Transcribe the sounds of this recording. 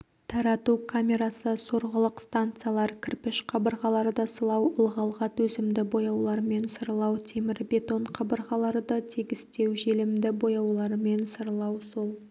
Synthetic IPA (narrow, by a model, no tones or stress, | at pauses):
t̪ʰɑɾɑt̪ukʰamʲe̞ɾasəso̞ɾʁəlˠəqst̪ant̪sɨjalˠɑɾkʲʰɪɾpɪʃqʰɑbəɾʁɑlˠɑɾd̪əsəlˠɑwəlˠʁɑlˠʁɑt̪wɵzɪmd̪ɪbo̞jɑwlˠɑɾme̞nsəɾlˠɑwt̪ʰe̞mɪɾbʲe̞t̪o̞ɴqʰɑbəɾʁɑlˠɑɾd̪ət̪ʰeɡʲɪst̪e̞wʒe̞lɪmd̪ɪbo̞jɑwlˠɑɾme̞nsəɾlˠɑwsolˠ